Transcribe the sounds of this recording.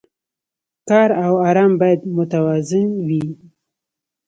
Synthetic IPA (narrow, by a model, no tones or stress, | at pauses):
kɑɾawɑɾɑmbɑjad̪mʊt̪awɑzɪnwi